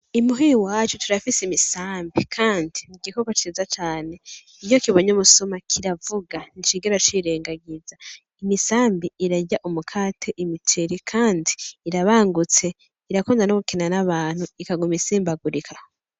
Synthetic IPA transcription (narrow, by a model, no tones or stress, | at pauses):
imuɦiwaːt͡ʃutuɾafisimisaːmbikʰaːndimiɡiko̞kot͡ʃiːzat͡ʃaːne̞ | ijo̞kiβo̞ɲomusomakʰiɾavuɡanit͡ʃiɡeɾat͡ʃiɾeːŋɡaɡiza | imisaːmbiiɾaɟaʔumukʰaːtʰeʔimitʰeɾikʰaːndi̥ːɾaβaːŋɡut͡se̞ | iɾakuːndanoɡukenanaβaːn̥huikaɡumisiːmbaɡuɾikʰah